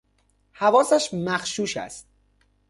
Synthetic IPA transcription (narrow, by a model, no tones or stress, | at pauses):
hævɒːsæʃmæxʃuːʃæ̰st̪̚